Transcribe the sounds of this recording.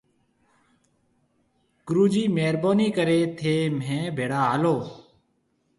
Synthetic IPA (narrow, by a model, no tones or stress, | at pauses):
kɾuːd͡ʒiːmeːɾboːniːkəɾeːt̪ʰeːmẽːbʱeːɽaːaːloː